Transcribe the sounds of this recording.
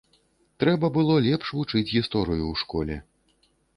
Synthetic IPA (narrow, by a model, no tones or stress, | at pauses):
t̪ɾɛbɐbɨlˠɔlʲɛpʂvut͡ʂɨt͡sʲɣʲist̪ɔɾɨjuwʂkɔlʲɛ